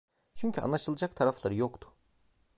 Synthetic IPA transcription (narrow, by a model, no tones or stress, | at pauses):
t͡ʃʰyɲcʰya̰nlˠaʃɯlˠad͡ʒakt̪ʰaɾaflˠaɾɯjokt̪ʰʊ̥